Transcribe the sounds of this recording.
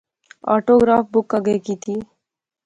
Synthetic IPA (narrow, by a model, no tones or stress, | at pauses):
ɔ̰ʈoɡɾap̚ʰbukːʌɡekit̪ʰi